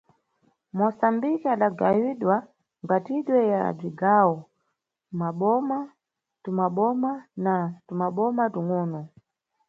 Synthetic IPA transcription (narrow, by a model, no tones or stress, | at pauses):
mɔsambikiaɗaɡawiɗwa | ŋbatiɗwɛja̰d͡ʒiɡawɔ | maɓɔma | tumaɓɔmanatumaɓɔmatuŋɔnɔ